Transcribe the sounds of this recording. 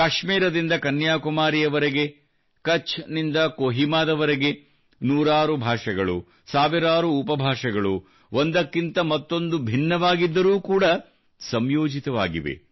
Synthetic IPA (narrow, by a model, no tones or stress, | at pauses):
kaːʃmiːɾɐd̪ind̪ɐkɐnjaːkumaːɾijɐʋɐɾeɡe̞ | kɐt͡ʃnind̪ɐkoːɦimaːd̪ɐʋɐɾeɡe̞ | nuːɾaːɾubʱaːʂɐɡɐɭṵ | saːʋiɾaːɾuːpɐbʱaːʂɐɡɐɭu | ʔond̪ɐkːint̪ɐmɐt̪ːo̞nd̪ubʱinːɐʋaːɡid̪ːɐɾuːkuːɽɐ | sɐmjoːd͡ʒit̪ɐʋa̰ːɡiʋḛ